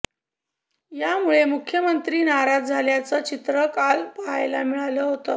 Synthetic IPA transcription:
jamuɭemukʰjəmənt̪ɾiːnaɾad͡zd͡zʱaljat͡sət͡ɕit̪ɾəkalpaɦajlamiɭaləɦot̪ə

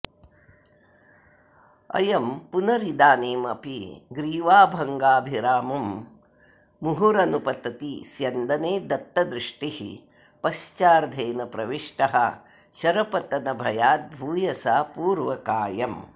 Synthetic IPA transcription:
ɐ̰jɐmpunɐɾid̪aːneːmɐpiɡɾiːʋaːbʱɐŋɡaːbʱiɾaːmɐm | uɦuɾɐnupɐt̪ɐt̪isjɐnd̪ɐneːd̪ɐt̪ːɐd̪ɾiʂʈihḭ | pɐʃt͡ʃaːɾd̪ʱɐːnɐpɾɐʋiʂʈɐɦɐ | ʃɐɾɐpɐt̪ɐnɐbʱɐjaːt̪̚bʱuːjɐsaːpuːɾʋɐkaːjɐm

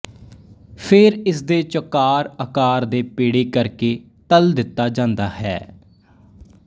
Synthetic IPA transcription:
pʰɪɾɪsd̪eːt͡ʃəkaːɾəkaːɾd̪eːpeːɽeːkəɾkeː | t̪əld̪ɪt̪ːaːd͡ʒãːnd̪aːhɛ̰ː

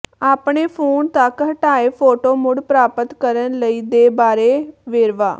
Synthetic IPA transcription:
aːpɳeːpʰoːnt̪əkɦəʈaːeːpʰoːʈoːmʊɽpɾaːpət̪kəɾənləiːd̪eːbaːɾeːʋeːɾʋa̰ː

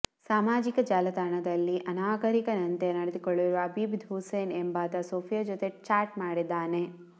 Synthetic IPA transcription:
saːmaːd͡ʒikɐd͡ʒaːlɐd̪aːɾɐɳɐd̪ɐlːiʔɐnaːɡɐɾikɐnɐnt̪enɐɽed̪ikoɭːiɾuʋɐːbiːbd̪ʱɦuseːnembaːt̪ɐsoːpʰijad͡ʒot̪e̞t͡ʃaːɾʈ̚maːɽid̪ːaːne

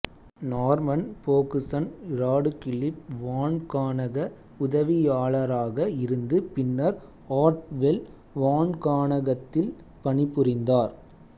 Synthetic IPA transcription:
naːɾmɐnpoːkɯsɐnɪɾaːɽɯkɪɭɪp̚ʋaːɳkaːɳɐɣɐ | ʊðɐʋɪjaːɭɐɾaːɣɐɪɾɯnd̪ɯpɪnːɐɾ | aːɾʈʋɛl | ʋaːnkaːɳɐɣɐt̪ːɪl | pɐɳɪpːʊɾɪnd̪aːɾ

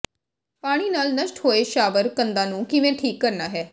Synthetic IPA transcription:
paːɽ̃iːnaːlnəʃʈhoːeːʃaːʋəɾkənd̪ãːnũːkɪʋẽːʈʰiːkːəɾnaːɦɛː

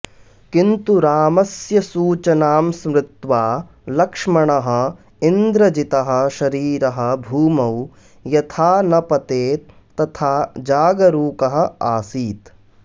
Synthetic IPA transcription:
kint̪uɾaːmɐsjɐsuːt͡ʃɐnaːmsmɾɪt̪ʋaː | lɐkʂmɐɳɐɦɐ̆ | ind̪ɾɐd͡ʒit̪ɐɦɐ̆ʃɐɾiːɾɐɦɐ̆bʱuːmɐw | jɐt̪ʰaːnɐpɐt̪eːt̪ː | ɐt̪ʰaːd͡ʒaːɡɐɾuːkɐɦɐ̆aːsiːt̪

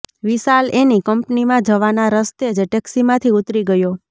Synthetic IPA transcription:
ʋisalenikəmpnimãd͡ʒəʋanaɾəst̪ed͡ʒʈɛksimãt̪ʰiut̪ɾiɡəjo

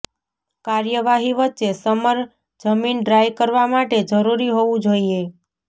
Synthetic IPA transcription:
kaɾjəʋaɦiʋətːt͡ʃesəməɾ | d͡ʒəminɖɾajkəɾʋamaʈed͡ʒəɾuɾiɦoʋũd͡ʒoie

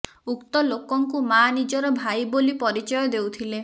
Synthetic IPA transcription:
ukt̪ɔlokɔŋkumanid͡ʒɔɾɔbʱajbolipɔɾit͡ʃɔjɔd̪ewt̪ʰile

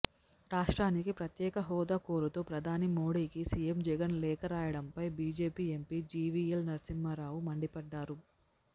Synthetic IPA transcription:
ɾaːʂʈɾaːnikipɾɐt̪jɛːkɐɦɔːd̪aːkoːɾut̪oːpɾɐd̪ʱaːnimoːɽiːkisijemd͡ʒɛɡɐnlɛːkɐɾaːjɐɽɐmpɐjbiːd͡ʒe̞ːpiːempiːd͡ʒiːʋiːelnɐɾsimːɐɾaːʋumɐɳɖipɐɖːaːɾu

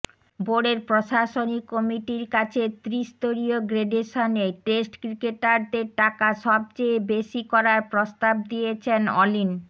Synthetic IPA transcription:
boɽeɾpɾoʃaʃonikːɔmiʈiɾkat͡ɕʰet̪ɾiʃt̪oɾioɡɾeɖeʃoneʈesʈkɾikeʈaɾd̪eɾʈakaʃɔb̚t͡ɕejbeʃikɔɾaɾpɾost̪ab̚d̪ijet͡ɕʰenɔ̰lin

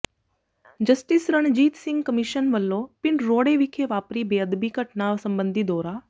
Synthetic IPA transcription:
d͡ʒəsʈisɾəɳ̃d͡ʒiːt̪sɪ̃ŋɡkəmiʃənʋəlːoːpɪnɾoːɽeʋikʰeʋaːpɾiːbeːəd̪biːkəʈnaːʋsə̃mbə̃nd̪ʱid̪ɔːɾaː

